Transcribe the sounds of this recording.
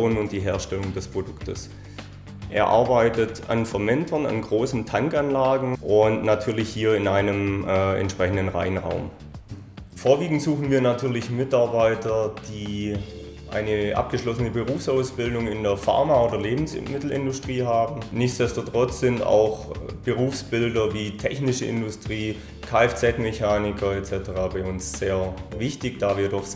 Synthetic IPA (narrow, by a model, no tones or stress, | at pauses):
oːnʊntd̥iːɦeːɐʃtɛlʊŋdɛspʁ̥odʊktʰə̰s | ʔḛːɐʔa̰ɐbaɪtəta̰nfɛɐmɛntʰɐna̰nɡʁoːsn̩tʰaŋkanlaːɡŋ̩ʔʊntnatʰyːɐlɪçhiːɐɪnʔaɪnəmʔɛ̰ntʃpʁ̥ɛçn̩dən̩ʁa̰ɪənʁa̰ʊm | foːɐviːɡŋ̩tz̥uːxn̩viːɐnatʰyːɐlɪçmɪtaɐbaɪtɐd̥iː | ʔa̰ɪnəʔa̰p̚ɡ̥əʃlɔsənəbəʁuːfsʔaʊsb̥ɪldʊŋɪndeːɐfa̰ɐmaoːdɐleːbm̩smɪtl̩ɪ̰ndʊstʁ̥iːɦaːbm̩nɪçt͡sd̥ɛstotʁ̥ɔt͡sz̥ɪnta̰ʊxb̥əʁuːfsb̥ɪldɐviːtʰɛçnɪʃəʔɪ̰ndʊstʁ̥iː | kʰaːɛft͡sɛtmɛçaːnɪkʰɐɛtt͡sɛtəʁaːbaɪʊnsz̥eːɐvɪçtɪçd̥aːviːɐdɔχ